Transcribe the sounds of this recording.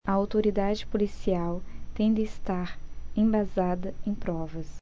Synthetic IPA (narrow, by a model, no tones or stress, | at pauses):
ɐawt̪oɾid̪ad͡ʒɪpolisiawt̪ẽj̃d̪ɪːst̪aɾẽj̃bazad̪ɐẽj̃pɾɔvɐs